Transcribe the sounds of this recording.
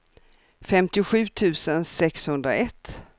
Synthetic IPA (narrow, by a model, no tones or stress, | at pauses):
fɛmt̪ɪʊɧʉ̟ːt̪ʰʉ̟ːsənsɛkshɵnd̪ɾa̰ɛt̪ː